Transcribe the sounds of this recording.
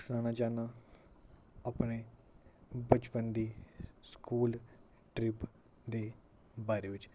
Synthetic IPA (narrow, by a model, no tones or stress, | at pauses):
snaːnaːd͡ʒaːnaː | aːpɳeː | bət͡ʃpənd̪iːskuːl | ʈɾɪp | d̪eː | baːɾeːʋɪt͡ʃ